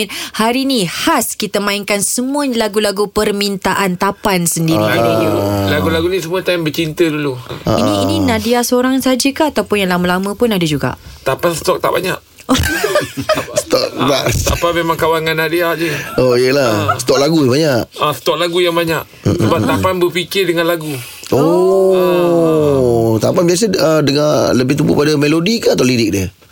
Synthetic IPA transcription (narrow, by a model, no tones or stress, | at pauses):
nhaɾinihaskit̪əmãiŋkansəmuəɲlaɡulaɡupərmint̪aʔant̪apansəndiɾi | laɡulaɡunis̬əmuət̪ambət͡ʃint̪ədulua̰inininadiasəoɾaŋsad͡ʒəkaat̪awpʊnjaŋlaməlamə̃pʊnadəd͡ʒuɡa̰ʔt̪apansə̥t̪ɔk̚t̪a̰ʔba̰ɲa̰ʔ | st̪ɔk̚t̪aʔst̪apamemãŋkawaŋanːadiad͡ʒəoijəlahsə̥t̪ɔk̚laɡuəbaɲaʔasə̥t̪ɔk̚laɡujaŋbaɲaʔ | m̩səbat̪apanbəpikɪrdəŋanlaɡu | o | t̪apanbias̬əədəŋaləbɪht̪ubṵpadamelodikat̪alidɪk̚diə